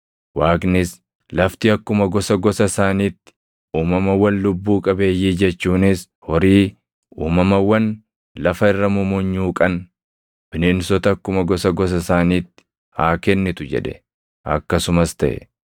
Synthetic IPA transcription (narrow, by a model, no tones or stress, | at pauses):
waːknɪs | lɐft̪iːɐkːʊmɐɡɔsɐɡɔsɐsaːniːt̪ːɪ̥ | uːmɐmɐwɐnlʊbːuːkʼɐbe̞ːjːiːd͡ʒɛt͡ʃːuːnɪs | hɔɾiː | uːmɐmɐwɐn | lɐfɐɪrːɐmʊmʊɲːuːkʼɐn | b̥ɪnɪnsɔt̪ɐɐkːʊmɐɡɔsɐɡɔs̬ɐsaːniːt̪ːɪ̥ | haːkɛnːɪt̪ʊd͡ʒɛ̰ᶑɛ̰ | ʔɐ̰kːɐsʊmɐst̪ɐʔɛ̰